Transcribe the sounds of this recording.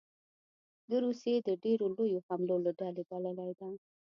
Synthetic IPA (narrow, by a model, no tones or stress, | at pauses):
d̪əɾusjed̪əɖeɾolojohamlolaɖalebalalajd̪a